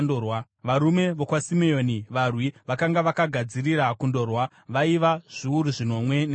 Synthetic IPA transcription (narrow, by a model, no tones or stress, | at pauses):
dowa | ʋaɾume̞ʋokwasimejoniʋarwiʋakaŋɡaʋakaɡʱad͡zirirakundo̞rwa | ʋaiʋaʐ̥iuɾuʐino̞mwe̞ne